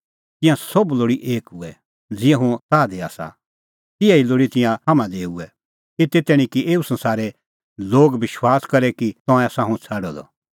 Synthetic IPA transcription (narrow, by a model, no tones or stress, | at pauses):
t̪ɪ̃jãsobloːɽiʔeːkɦʊɛ | d͡zɪjãɦʊ̃t̪aːd̪ea̰ːsa̰ | t̪ɪjãiloːɽit̪ɪ̃jãɦɐmãd̪eːuɛ | ɪt̪et̪ɛːɽ̃ĩkiʔeːusɐ̃nsaːɾɛ | loːɡbɪʃwaːskɐɾɛkit̪ɔ̃ɛ̃sãɦʊ̃t͡sʰaːɽɔd̪ɔ̰